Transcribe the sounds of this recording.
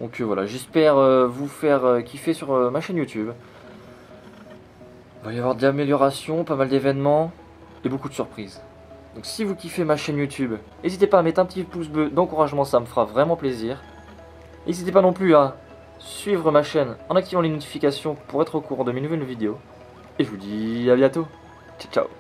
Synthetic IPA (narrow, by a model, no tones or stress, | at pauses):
d̪̥ɔ̃kʰøvwala̰ʒɛspɛʁøvufɛʁøkʲʰifɛsyʁmaʃɛnjut̪yb | valeavwaʁd̪əlameljɔʁasjɔ̃pamald̪evɛnmɑ̃ | ebokud̪əsyʁpχiz | d̪ɔ̃ksivukʲifemaʃɛnjut̪ʰyb | ezit̪epaːmɛt̪ɛ̃pət̪ipusd̪əd̪ɑ̃kuʁaʒmɑ̃saməfəʁavʁɛmɑ̃pleziːʁ | ezit̪epanɔ̃plya | sɥivʁəmaʃɛnɑ̃nak̚t̪ivɑ̃lenɔt̪i̥fikʲasjɔ̃puʁɛt̪χəkuʁɑ̃d̪əminuvɛlvid̪eo | eʒəvud̪iabjɛ̃t̪o | t͡ʃat͡ʃa̰w